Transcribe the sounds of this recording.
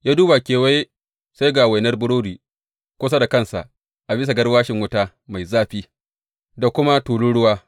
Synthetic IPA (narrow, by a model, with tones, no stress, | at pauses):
jaː˦duː˦ba˨kʲeː˨wa˦j | sa˦jɡa˨wa˨jnɐ˦rbʊ˦ɽoː˦diː˨ | kʷʊ˦s̬a˦da˨kɐ˦˨nsa̰˨ʔ | ʔa˨bɪ˦s̬a˨ɡɐ˦rwaː˦ʃɪ˨ŋwʊ˦taː˦ | ma˨jzaː˦ɸiː˦ | da˨kʷʊ˦ma˦tuː˨lu˦ɽʊ˦waː˦